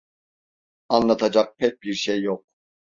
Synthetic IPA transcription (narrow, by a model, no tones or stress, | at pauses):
anlˠat̪ʰad͡ʒak̚pʰɛc̚biɾʃejːok̚